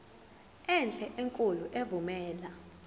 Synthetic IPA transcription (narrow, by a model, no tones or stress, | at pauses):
ɛnt͡ɬʼɛʔeŋkʼuluʔevumɛːla